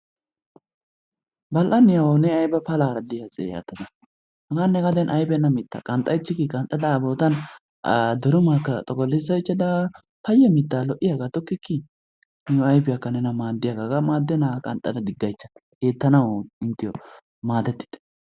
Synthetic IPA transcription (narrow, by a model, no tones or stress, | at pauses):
bɐlʔɐnɪjɐwɔnɛɐjbɐpɐlaːɾɐd̪ɪjɐsḛja̰ːt̪ːɐd̪ɐ | nɐɡanːɛɡɐd̪ɛnʔɐjbɛnːɐmɪt̪ːɐ̰kʼɐnt̪ʼɐjt͡ʃːɪkːɪkʼɐnt̪ʼːɐd̪ɐːboːt̪ɐn | d̪ɔɾʊmaːkːɐt̪ʼɔɡɔlːɪzɐɪt͡ʃːɐd̪ɐ | pɐjːɛmɪt̪ːaːlɔʔɪjaɡat̪ɔkːɪkːɪ | nɪjɔɐjbɪjakːɐnɛnɐmaːd̪ːɪjaɡaɡamaːd̪ːɛnakʼɐnt̪ʼɐd̪ɐd̪ɪɡːɐjt͡ʃːɐ̥keːt̪ːɐnɐwɪnt̪ɪjɔ | maːd̪ɛt̪ːɪ̥t̪ɛ̥